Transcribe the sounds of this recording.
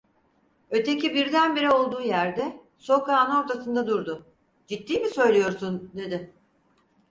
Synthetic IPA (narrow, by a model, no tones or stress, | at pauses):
ø̞t̪ʰe̞cibiɾd̪ænbiɾio̞lˠd̪uːjæɾd̪ɛ | so̞kaːnɯo̞ɾt̪ʰasɯnd̪ad̪uɾd̪ʊ | d͡ʒit̪ːiːmisø̞jlʲijo̞ɾsund̪e̞d̪ɪ